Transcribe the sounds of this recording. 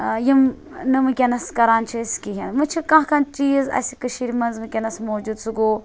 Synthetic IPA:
jim | nɨmɨkʲenɐskɐɾaːnt͡ʃʰɐskʲiɦɐnmɨt͡ʃʰikãɦkant͡ʃiːzɐ̰sʲikɨʃiɾimɐnzmɨkʲɐnɐsmoːd͡ʒud̪suɡoː

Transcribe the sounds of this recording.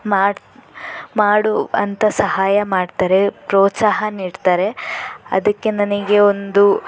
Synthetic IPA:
maː | maːɽuɐ̰nt̪ɐsɐɦaːjɐmaːɖt̪aːɾe̞pɾoːt̪saːɦɐniːɖt̪aːɾe̞ɐ̰d̪ɐkːe̞nɐniɡe̞o̞nd̪u

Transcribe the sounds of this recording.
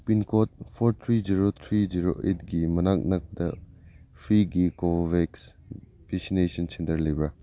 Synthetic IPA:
pinkʰot̚pʰoɾt̪ʰɾid͡ʒiɾot̪ʰɾid͡ʒiɾo̰ʔetɡimɐnak̚nɐk̚dɐpʰɾiɡikobeks | beksinesɐnsentɐɾlejbɾa

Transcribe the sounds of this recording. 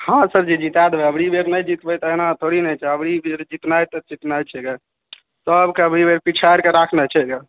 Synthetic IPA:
hãsəbd͡ʒid͡ʒit̪ad̪ebɛəbɽibeɾnɛjd͡ʒit̪bɛjt̪ɔenat̪ʰoɽinɛjt͡ʃʰɛəbɽibeɾd͡ʒit̪najt̪ɔd͡ʒit̪najt͡ʃʰɛɡe | səbkeəbɾibeɾpit͡ʃʰajɾkeɾakʰnɛt͡ʃʰɛɡe

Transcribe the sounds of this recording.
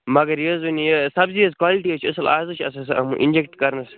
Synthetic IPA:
mɐɡɐɾjozunijesɐbziozkwaːliʈiot͡ʃʰɐsɐlaːzot͡ʃʰɐsɐsɐ̰mṵʔḭnd͡ʒekʈkɐɾnɐs

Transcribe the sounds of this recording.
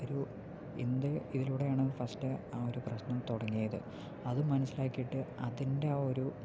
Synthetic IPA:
oɾu | end̪ɨiðiluːɽe̞jaːɳɨfɐstɨaːo̞ɾuprɐɕnɐmt̪uɽɐŋːijɐðɨ̰ | ɐðɨmɐnɐsːilaːkːijiʈːɨɐðinde̞oɾu

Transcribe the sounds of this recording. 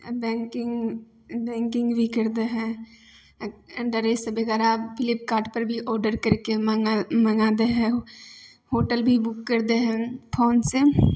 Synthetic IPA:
bɛ̃ːŋkɪŋɡ | bɛ̃ːŋkɪ̃ŋɡbʱikəɾd̪eɦɛ̃ | ɖəɾesebeɡɛːɾapʰɪlɪpkaːɾʈpəɾbʱiʔɔːɾɖəɾkəɾkemɐnaːd̪eɦɛ̃ | hoːʈəlbʱibʊkːəɾd̪eɦɛ̃pʰoːnse

